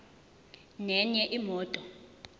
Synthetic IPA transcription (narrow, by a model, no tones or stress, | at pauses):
nɛɲɛʔimɔːtʼɔ